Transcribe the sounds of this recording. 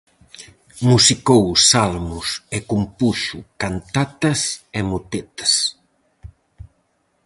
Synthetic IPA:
musikowsalmusekumpuʃukant̪at̪ɐsemut̪et̪ɐ̥s

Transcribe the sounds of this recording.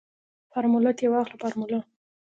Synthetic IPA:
faɾmulat̪jewɑxlapaɾmula

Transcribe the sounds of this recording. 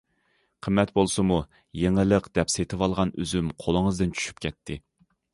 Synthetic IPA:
qʰəmːɛt̪bolˠsɨmu | jeŋɨlˠəqd̪̥ɛpset̪ʰɨwɑlˠʁɑny̰zymqʰolˠəŋəzd̪ɨnt͡ʃʰy̥ʃy̥p̚kʲʰɛt̪ʰːɪ

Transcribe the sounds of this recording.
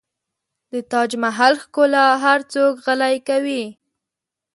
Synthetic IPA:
d̪ət̪ɑd͡ʒmaɦalxkolaɦaɾt͡sokɣəlajkawi

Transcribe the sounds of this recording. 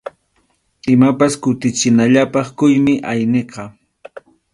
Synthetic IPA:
ɪmapaskʊt̪ɪt͡ʃɪnaʎapɑχkʊjmɪʔajneqɑ

